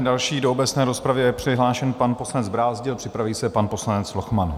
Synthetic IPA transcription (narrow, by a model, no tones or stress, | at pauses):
dalʃiːdoobɛt͡snɛːɾo̞spɾavjɛjɛpr̥ɪɦlaːʃɛnpanpo̞slanɛd͡zbɾaːzɟɪlpr̥ɪpɾaviːsɛpanpo̞slanɛt͡svloxman